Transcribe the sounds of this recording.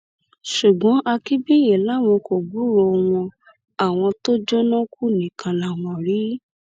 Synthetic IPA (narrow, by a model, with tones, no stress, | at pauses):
ʃu˨ɡ͡bɔ̃˨˦ʔa˧ki˦bi˦jɛ˨la˦˨mɔ̃˧ko˨ɡ͡bu˨˦ɾo˧w̃ɔ̃˧ | a˨w̃ɔ̃˧to˦d͡ʒɔ˦nã˦ku˦˨nĩ˨kʰã˨lã˨w̃ɔ̃˨ɾi˨˦